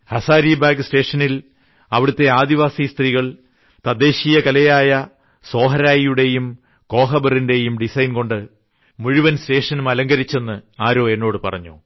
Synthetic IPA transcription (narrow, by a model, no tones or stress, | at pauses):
hɐsaːɾibaːɡɨste̞ːʂɐnil | ɐʋiɽut̪ːe̞aːd̪iʋaːsist̪riːɣɐɭ | t̪ɐd̪e̞ːɕijɐkɐlɐjaːjɐ | so̞ːɦɐɾaːjijuɽe̞jum | ko̞ːɦɐbɐrinde̞jumɖisɐjnko̞ɳɖɨ | muɻiʋɐnste̞ːʂɐnumɐlɐŋɡɐɾit͡ɕːe̞nːɨaːɾo̞ːe̞nːo̞ːɽɨpɐ̰rɐ̰ɲːṵ